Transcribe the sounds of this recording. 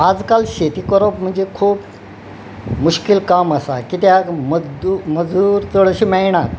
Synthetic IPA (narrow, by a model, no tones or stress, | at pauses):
ad͡zkalɕet̪ikəɾopm̤əɳd͡zekʰuːp | muɕkilkaməsakit̪jaməməd͡zd̪uːɾt͡səɭəɕiːmɛɭɳ̃at̪